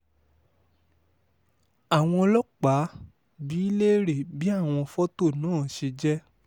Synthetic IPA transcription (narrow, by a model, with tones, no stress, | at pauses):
a˨w̃ɔ̃˧lɔ˦k͡pa˨˦ | bi˦i˦le˦ɾe˦˨bi˦a˦˨w̃ɔ̃˧fɔ˦to˦˨nãː˨˦˨ʃe˧d͡ʒɛ˦